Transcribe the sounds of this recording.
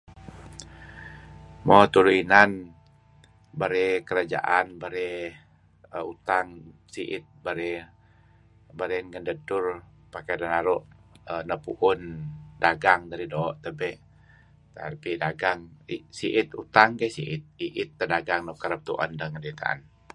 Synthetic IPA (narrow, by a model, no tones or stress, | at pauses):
mot̪uɾuinan | baɾɛkəɾad͡ʒa̰ʔanbaɾɛ | əut̪aŋsiʔɪt̪̚baɾɛ | baɾɛnŋəndədʊr | pakɛdanaɾɔʔənəpuʔʊndaɡaŋd̪aɾidoʔt̪əbɛ | t̪a̰pidaɡaŋisiʔɪt̪ut̪aŋkɛsiʔɪt̪̚iʔɪt̪ːədaɡaŋnəkəɾəp̚t̪uʔa̰ndaŋkəndet̪a̰a̰n